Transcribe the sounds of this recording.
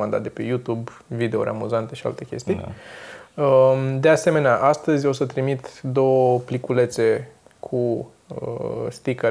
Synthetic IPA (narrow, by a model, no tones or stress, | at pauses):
and̪at̪̚d̪epe̞jut̪ub | vid̪e̞oɾʲʔa̰muzant̪e̞ʃia̰lt̪e̞kʲe̞st̪i | əd̪e̞ase̞me̞neaʔast̪əzʲo̞sət̪ɾimit̪d̪o̞wəplikule̞t̪se̞ | kʰu | st̪ikə